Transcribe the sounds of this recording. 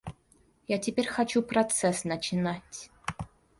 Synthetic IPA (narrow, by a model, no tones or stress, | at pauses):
jatʲɪpʲeɾʲxat͡ɕuprot̪sɛsnɐt͡ɕinatʲ